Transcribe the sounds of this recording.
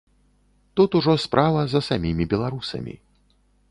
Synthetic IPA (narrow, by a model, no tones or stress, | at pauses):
t̪ut̪uʐɔspɾʔavɐzɐsamʲimʲibʲɛlˠaɾusɐ̰mʲḭ